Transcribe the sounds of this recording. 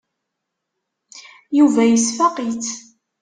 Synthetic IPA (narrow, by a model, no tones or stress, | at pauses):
juvæjəsfɑqit͡s